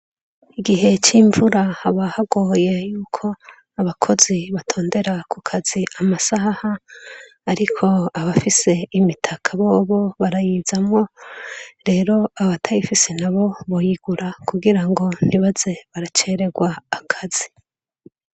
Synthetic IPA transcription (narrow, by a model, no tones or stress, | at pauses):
iɡiɦe̞t͡ʃiːɱvuɾahaβahaɡoje̞juːkʰo̞ | aβakʰo̞ziβatʰo̞ːnde̞ɾakʰukʰaz̥iamasahaː | ɾikʰo̞aβafise̞imitʰakʰaβo̞ːβo̞βaɾajiːz̥amŋo̞ | ɾe̞ːɾo̞aβatʰajifise̞naβo̞βojiɡ̥uɾakuɡiɾaŋɡo̞n̥iβaz̥e̞βaɾat͡ʃe̞ɾe̞ɡwaːkʰaz̥i